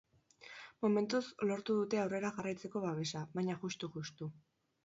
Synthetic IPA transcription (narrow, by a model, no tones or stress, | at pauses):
mome̞nt̪uslo̞ɾt̪uðut̪e̞awre̞ɾaʝarajt͡se̞ko̞βaβe̞saβaɲaʝust̪uʝust̪u